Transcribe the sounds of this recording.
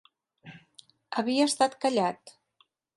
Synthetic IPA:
əβiəəst̪at̪kaʎʲat̪

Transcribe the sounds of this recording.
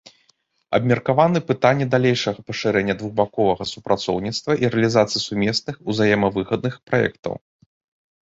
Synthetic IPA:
ɐ̰bmʲɐrkavanɨpɨt̪anʲːɛd̪alʲejʂɐɣɐpɐʂɨɾɛnʲːɐd̪vuɣbakɔvɐɣɐsupɾat̪sɔ̰wnʲit̪st̪vɐʔiɾɛlʲizat̪sɨjisumʲɛsnɨxuzajɛmɐvɨɣɐd̪̚nɨxpɾajɛ̰kt̪ɐ̰w

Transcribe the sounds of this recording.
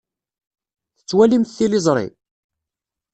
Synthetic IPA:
θət͡sːwælimθθilɪzˤɾˤḭ

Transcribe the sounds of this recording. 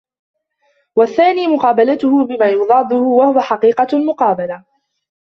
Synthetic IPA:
waθːaːniːmʊqɑːbalat̪ʊhʊbɪmaːjʊðˤɑːd̪ˤʊhʊwahʊwaħɑqiːqɑlmʊqɑːbala

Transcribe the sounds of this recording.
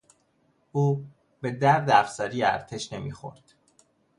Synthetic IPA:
ʔuː | be̞d̪æɾd̪eæfsɒːɾiːjeæ̰ɾt̪ʰeʃne̞mḭːxo̰ɾd̪̥

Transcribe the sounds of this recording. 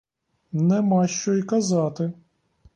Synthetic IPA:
nɛmɑʃt͡ʃɔikɐzɑt̪ɪ

